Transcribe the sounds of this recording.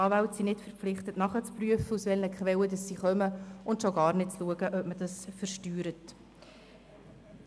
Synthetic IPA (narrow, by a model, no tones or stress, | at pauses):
ɑːvawtsinɪtfəɾpflɪχt̪ətnɑχət͡spryəfəusvɛlnəkχvɛwədɑsːiχœməʊntʃoɡɑːɾrnɪt̚t͡sluəɡəʔœp̚məd̥ɑsfəɾʃtyːɾət